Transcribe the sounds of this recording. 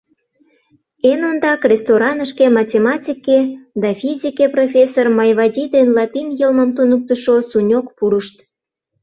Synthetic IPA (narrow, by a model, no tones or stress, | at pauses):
enond̪ɑkrʲest̪oɾɑnəʃkemɑtʲemɑtʲiked̪ɑfʲizʲikeprofʲesːormɑjβɑdʲid̪enlɑt̪injəlməmt̪unuk̚t̪əʃosunʲokpuɾəʃt̪